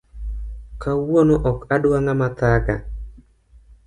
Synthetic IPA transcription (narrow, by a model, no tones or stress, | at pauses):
kawonoʔɔkadwaŋamat̪aɡa̰